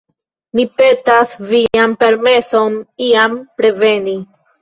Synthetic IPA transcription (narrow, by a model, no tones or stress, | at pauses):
mipe̞tasviampe̞ɾme̞so̞niampɾe̞ve̞ni